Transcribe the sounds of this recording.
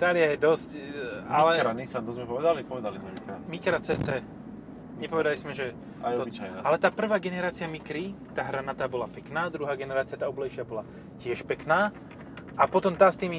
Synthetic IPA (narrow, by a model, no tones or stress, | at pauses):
t̪aːlɪjajɛd̪ɔscalɛɾanisant̪ɔzmɛpɔʋɛd̪alipɔʋɛd̪alizmɛmikɾamikɾat͡sɛːt͡sɛː | ɲɛpɔʋɛd̪alizmɛʒɛ | aj̪ɔbit͡ʃajnaalɛt̪aːpr̩ʋaːɡɛnɛɾaːt͡siɪjamikɾit̪aːɦɾanat̪aːbɔlapɛknaːd̪ɾuɦaːɡɛnɛɾaːt͡sɪat̪aːɔblɛjʃɪabɔla | cɪɛʃpɛknaː | ʔapɔt̪ɔmt̪aːst̪iːmi